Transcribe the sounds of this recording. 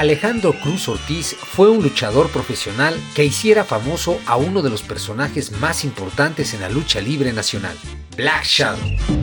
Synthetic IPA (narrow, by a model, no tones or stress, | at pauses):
ale̞xand̪ɾo̞kɾuso̞ɾt̪isfwe̞unlut͡ʃaðo̞ɾpɾo̞fe̞sjo̞nalke̞isje̞ɾafamo̞soʔauno̞ð̞e̞lo̞spe̞ɾso̞naxe̞zmasimpo̞ɾt̪ant̪e̞se̞nla̰lut͡ʃaliβɾe̞nasjo̞na̰l | blakʃa